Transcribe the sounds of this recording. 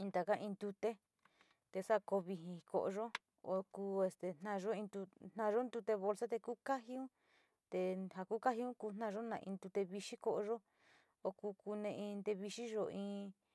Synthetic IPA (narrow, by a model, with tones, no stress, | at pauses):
ĩ˧nt̪a˨ka˦ʔĩ˧nd̪u˧t̪e˦ | t̪e˧sa˦˨ko˧βi˧ɦĩ˧ko̰˧ʔo̰˧ʒo˦ | o˧kuː˧˦e˧st̪e˨n̥ã˧ʒo˦ĩ˧nd̪u˧n̥nã˧ʒo˦nd̪u˧t̪e˧βo˧lsa˦t̪e˧ku˦ka˦ɦi˧˦ũ˦ | t̪e˧ha˧ku˦ka˦ɦi˧˦ũ˦ku˧n̥nã˦˧ʒo˦nã˧ḭ̃˧nd̪u˧t̪e˧βi˧ʃi˦ko˧ʔo˧ʒo˦ | o˧ku˧ku˧nẽ˧ĩ˧nd̪e˧βi˧ʃi˦ʒo˧ĩː˧